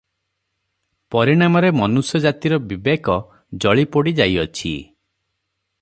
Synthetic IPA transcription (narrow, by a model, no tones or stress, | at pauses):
pɔɾiɽ̃amɔɾemɔnusjɔd͡ʒat̪iɾɔbibekɔ | d͡ʒɔɭipɔɽid͡ʒajɔt͡ʃʰḭ